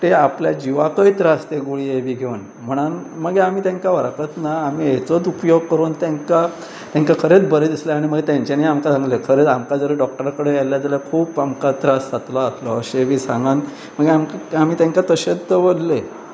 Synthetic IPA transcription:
t̪eapljad͡ʑiʋakəit̪ɾast̪eɡuɭieʋiːɡʱeun | m̤əɽ̃an | məɡeam̤iːt̪jãŋkaʋəɾkət̪naːmiɦet͡sot͡supjoɡ̚kəɾuːnt̪jaŋka | t̪jãŋkakʰəɾet͡sbəɾed̪isleaɽ̃iməɡt̪jãɲt͡ɕanaiamkasãŋɡlekʰəɾet͡samkad͡zəɾəɖɔk̚ʈəɾkəɽejalːjad͡zaləkʰuːpamkat̪ɾasat̪laːslɔːɕeʋiːsãŋɡan | məɡamkam̤iːt̪jãŋkat̪əɕet͡s̪ːəʋəlle

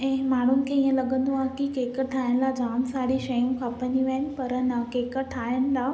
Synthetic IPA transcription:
ɛ̃ːmaːɳ̤ʊnɪ̆kʰeːĩːə̃lɐɠə̃nd̪oaːɦkikeːkəʈʰaːjəɽɪ̆laːd͡ʑaːmsaːɽiʃɐjũkʰãpɐɲiʋeɦnɪ̆pɐɾənɐkeːkəʈʰaːəñɪ̆laː

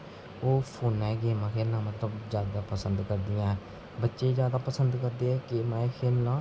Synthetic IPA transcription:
oːpʰoːnɛ̃ːɡeːmãːkʰeːɾnãːmət̪ləbzjaːd̪aːpəsənd̪kəɾd̪ɪːãːɛː | bətːʃeːzjaːd̪aːpəsənd̪kəɾd̪eːɛːkɪmɛ̃ːkʰeːɾnãː

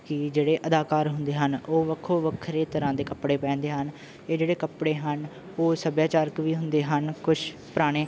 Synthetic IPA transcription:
kɪd͡ʒeːɽeːʔəd̪aːkaːɾɦʊnd̪eːɦənoːʋəkʰoːʋəkʰːɾeːt̪əɾãːd̪eːkəpɽeːpɛ̃ːnd̪eːɦən | eːd͡ʒeːɽeːkəpɽeːɦən | oːsəbjaːt͡ʃaːɾəkʋiːɦʊnd̪eːɦənkʊʃ | pəɾaːɽ̃eː

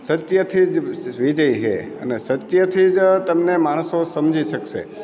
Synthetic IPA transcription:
sət̪jət̪ʰid͡ʒʋid͡ʒəjɦḛə̰nesət̪jət̪ʰid͡ʒt̪əmnemaɽ̃sosəmd͡ʒiʃəkʃḛ

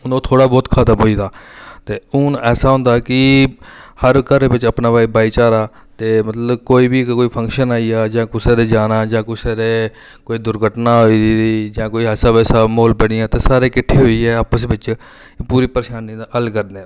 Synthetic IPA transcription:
ʊnõːt̪ʰoːɽaːbɔːt̪kʰət̪əmɦoːiːd̪aːt̪eːʊnɛːsaːɦõːnd̪aːkɪ | həɾkəɾebɪt͡ʃəpnaːbaːiːbaːiːt͡ʃaːɾaː | t̪eːmət̪ləbkoːiːbiːkoːiːpʰə̃ŋkʃənaːijaːd͡ʒãːkʊseːd̪eːd͡ʒaːnaːd͡ʒãːkʊisaːɾeː | koːiːd̪ʊɾɡʱəʈnaːɦoiiːd͡ʒãːkoːiːɛːsaːbɛːsaːmoːlpɛɽɪjãːt̪eːsaːɾeːkɪʈʰːeːɦoːiːɛːaːpəsbɪt͡ʃ | puːɾiːpəɾʃaːnid̪aːəlkəɾne

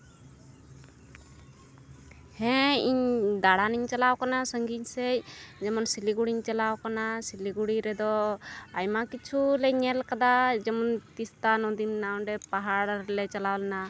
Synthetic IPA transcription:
hɛ̃iɲd̪aɽaniɲt͡ʃalawkanasəŋɡiɲsɛjd͡ʒɛmɔnsiliɡuɽiɲt͡ʃalawkanasiliɡuɽiɾɛd̪ɔajmakit͡ʃʰulɛɲɛlkad̪ad͡ʒɛmɔnt̪ist̪anɔ̃d̪inːaw̃ɖɛpaɦaɽɾlɛt͡ʃalawlɛna

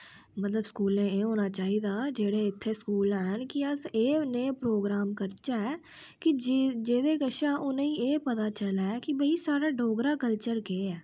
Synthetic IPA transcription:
mət̪ləbskuːlẽːeːɦoːnaːt͡ʃaːɦiːd̪aːd͡ʒeːɽeːɪt̪ʰːeːskuːlɛːɦənkɪəseːnẽːpɾoːɡɾaːmkəɾt͡ʃaːɛː | kɪd͡ʒeːd̪eːkəʃaːʔʊnẽːĩːeːpət̪aːt͡ʃəlaːɛːkɪbəiːsaːɽaːɖoːɡɾaːkəlt͡ʃəɾkeːɛː

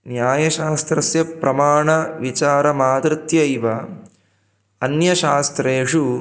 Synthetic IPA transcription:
njaːjɐʃaːst̪ɾɐsjɐpɾɐmaːɳɐʋit͡ʃaːɾɐmaːd̪ɾɪt̪jɐiʋɐ | ɐnjɐʃaːst̪ɾeːʂu

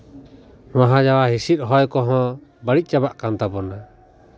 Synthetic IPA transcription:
waɦãd͡ʒawaɦisit̪̚ˀɦɔjkɔɦɔ̃bəɽic̚ˀt͡ʃabaʔkant̪abɔna

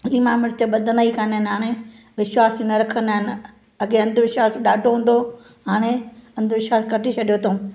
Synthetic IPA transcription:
iːmãːmɪɾt̪ɐɓɐd̪ʱənaikʰanaɦɪnɦaːɽ̃e | ʋɪʃwaːsinɐɾɐkʰənaːɦɪnɪ̆ | ɐɡeɐ̃nd̪ʱʋɪʃwaːsɗaːɖʱoɦũːn̆d̪o | ɦaːɽ̃eɐ̃nd̪ʱʋɪʃaːskɐʈit͡ɕʰɐɗijot̪ʰoː

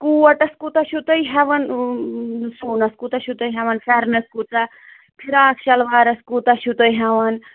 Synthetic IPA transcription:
kuɐʈɐskut̪ɐʃut̪əjɦɛʋɐn | suːnɐskut̪ɐʃut̪ɐjɦɐʋɐnfʰɛɾnɐskut̪ɐ | pʰiɾaːkʰʃɐlʋaːɾɐskut̪ɐʃut̪ɐjɦɐʋɐn

